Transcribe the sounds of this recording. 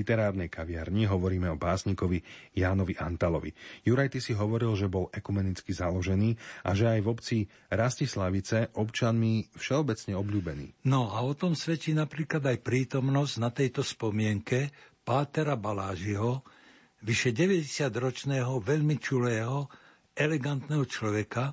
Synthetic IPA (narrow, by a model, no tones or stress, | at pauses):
it̪ɛɾaːɾnɛjkaʋɪaɾɲiɦɔʋɔɾiːmɛɔbaːsɲikɔʋijaːnɔʋiʔant̪alɔʋḭjuɾajt̪isiɦɔʋɔɾilʒɛbɔlɛkumɛnit͡skizalɔʒɛniːa̰ʒɛajvɔpt͡si | ɾascislaʋit͡sɛʔɔpt͡ʃɪanmifʃɛɔbɛt͡sɲɛɔbʎuːbɛnḭːnɔaɔt̪ɔmsʋɛt͡ʃiːnapɾiːklad̪ajpɾiːt̪ɔmnɔzɟnat̪ɛjt̪ɔspɔmɪɛŋkɛpaːt̪ɛɾabalaːʒiɦɔ | ʋiʃɛɟɛʋɛɟɛsɪad̪ɾɔt͡ʃnɛːɦɔʋɛʎmit͡ʃulɛːɦɔ | ɛlɛɡant̪nɛːɦɔt͡ʃlɔʋɛka